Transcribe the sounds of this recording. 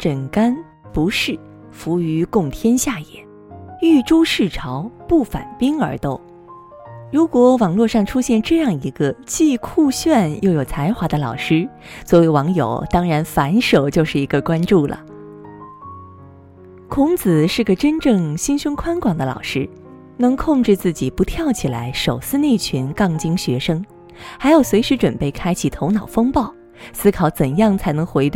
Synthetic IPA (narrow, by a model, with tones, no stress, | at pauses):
ʈ͡ʂə˨˩nka˥n | pu˧˥ʂɻ̩˥˩ | fu˧˥y˧˥kʊ˥˩ŋt̪ʰjɛ˥nɕja˥˩jɛ̰˨˩˦n | y˥˩ʈ͡ʂu˥ʂɻ̩˥˩ʈ͡ʂʰɑ˧˥ʊpu˥˩fa̰˨˩npi˥ŋə˞˧˥t̪o˥˩ʊ | ɻu˧˥kwɔ˧˥wɑ˨˩ŋlwɔ˥˧ʂɑ˥˩ŋʈ͡ʂʰu˥ɕjɛ˥˧nʈ͡ʂɤ˥˧jɑ˥˩ŋi˧˥ɡə˧t͡ɕi˥˧kʰu˥˧ɕɥɛ˥˧njo˥˩ʊjo˨˩t͡sʰa˧˥ɪxwa˧˥d̪ə˧lɑ˨˩ʊʂɻ̩˥ | swɔ˧˥we˧˥ɪwɑ˧˥ŋjo̰˨˩ʊt̪ɑ˥ŋɻa˧˥nfa˧˥nʂo˨˩ʊt͡ɕjo˥˧ʊʂɻ̩˥˩i˧˥ɡə˧kwa˥nʈ͡ʂu˥˩lə̰˩ | kʰʊ˧˥ŋt͡sɹ̩˨˩ʂɻ̩˥˩ɡə˩ʈ͡ʂə˥nʈ͡ʂɤ˥˩ŋɕi˥nɕʊ˥nkʰwa˥nkwɑ˨˩ŋd̪ə˦lɑ̰˨˩ʊʂɻ̩˥ | nɤ˧˥ŋkʰʊ˥˧ŋʈ͡ʂɻ̩˥˧t͡sɹ̩˥˩t͡ɕi˨˩pu˧˥t̪ʰjɑ˥˩ʊt͡ɕʰi˨˩la̰˧˥ɪʂo˨˩ʊsɹ̩˥˧ne˥˩ɪt͡ɕʰy˧˥nkɑ˥˩ŋt͡ɕi˥ŋɕɥɛ˧˥ʂɤ˥ŋ | xa˧˥ɪjo˨˩ʊswe˧˥ɪʂɻ̩˧˥ʈ͡ʂwə˨˩npe˥˩ɪkʰa˥ɪt͡ɕʰi˨˩t̪ʰo˧˥ʊnɑ˨˩ʊfɤ˥ŋpɑ˥˩ʊ | sɹ̩˥kʰɑ˨˩˥ʊt͡sə˨˩njɑ˥˩ŋt͡sʰa˧˥ɪnɤ˧˥ŋxwe˧˥ɪt̪w